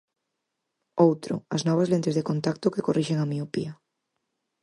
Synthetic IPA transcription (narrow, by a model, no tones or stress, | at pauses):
owt̪ɾoaznɔβ̞azlent̪ezðeko̞nt̪ak̚t̪okekorʔiʃeŋamiopḭa